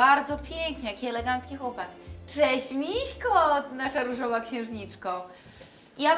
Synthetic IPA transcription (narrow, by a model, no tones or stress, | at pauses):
aɾd̪zɔpʲjeŋkɲɛjakʲiɛlɛɡant̪skʲixwɔpakt͡ʂɛɕmʲiɕkɔt̪naʂaɾuʐɔvakɕɛ̃w̃ʐɲit͡ʂkɔ̃ | ija